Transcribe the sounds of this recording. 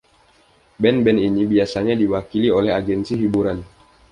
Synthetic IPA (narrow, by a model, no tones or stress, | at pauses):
bɛnbɛninibiasaɲadiwakiliolɛɦaɡɛnsiɦibuɾan